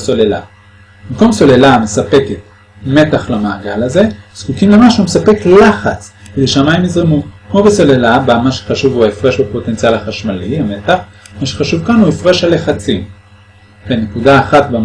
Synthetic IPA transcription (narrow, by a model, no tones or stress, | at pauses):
so̞lela̰ | bimko̞mso̞le̞lamesape̞ket̚ | me̞taχlamaːɡalaze̞z̥kukimle̞maʃumesape̞klaχat͡sked̪ejʃeamajimizʁemukmobeso̞le̞labamaʃe̥χaʃuvuaefʁe̞ʃbepo̞t̪e̞nt͡sialaχaʃmaliame̞taχ | maʃeχaʃuvkanhuefʁe̞ʃaleχat͡sim | venekudaːχat̪ba